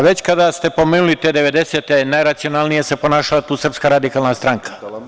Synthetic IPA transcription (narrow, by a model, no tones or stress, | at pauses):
ʋe̞t͡ɕkad̪ast̪e̞po̞meːnulit̪eːd̪eʋe̞d̪eseːt̪enajɾat̪sionalnije̞sepo̞naːʃalat̪uːsr̩pskaɾad̪ikaːlˠnast̪ɾaŋkʰḁ